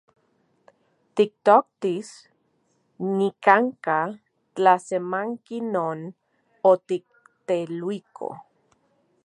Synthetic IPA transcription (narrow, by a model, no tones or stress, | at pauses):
t̪ik̚t̪ok̚t̪is | nikaŋka | t͡ɬasemaŋkinoːn | ot̪ik̚t̪elwikʰo̰